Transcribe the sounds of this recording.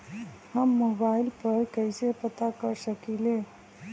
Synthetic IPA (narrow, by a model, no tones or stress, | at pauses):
həmːoːbaːɪlpəɾkəɪsepət̪akəɾsəkile